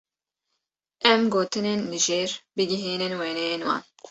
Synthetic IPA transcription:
ʔɛmɡot̪ɨnenliʒeːɾbiɡiɦiːnenweːnenwa̰ːn

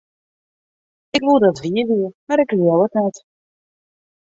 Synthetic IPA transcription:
ɪkʋulˠdɔtvriəʋiəmaɾɪkliɔwətnɛt

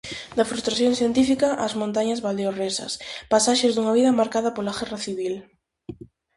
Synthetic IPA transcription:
d̪afɾust̪ɾaθjoŋθjent̪ifikaʔazmõnt̪aɲazβald̪eoresɐ̰spasaʃezðuŋaβiðɐmaɾkaðɐpolaɣɛraθiβil

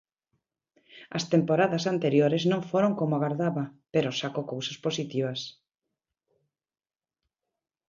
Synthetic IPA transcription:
ɐst̪empoɾaðasant̪eɾjoɾeznõŋfoɾoŋkomoaɣaɾðaβapeɾosakokowsasposit̪iβɐs

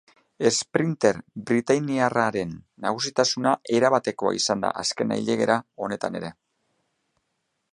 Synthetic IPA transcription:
e̞spɾint̪e̞ɾbɾit̪ajniaraɾe̞nːaɣ̞usit̪asunae̞ɾaβat̪e̞ko̞a̰isand̪a̰ʔaske̞na̰jʎe̞ɣe̞ɾao̞ne̞t̪a̰ne̞ɾe̞

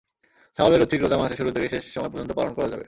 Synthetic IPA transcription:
ʃaoleɾot̪ʰːikɾot̪amaʃeʃuɾut̪ʰekeʃeʃːɔmɔepɔɾd͡ʑont̪opa̰lonkɔɾad͡ʑabḛ

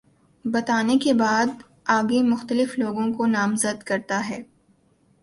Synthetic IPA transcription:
bɐt̪aːnekebaːd̪ | aːɡemʊxt̪əlɪfloːɡõkonaːmzəd̪kɐɾt̪aɦɛː

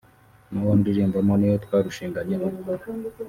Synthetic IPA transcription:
nowondiɾimbamɔniot̪u̥kaɾuʃiŋɡaɟenok

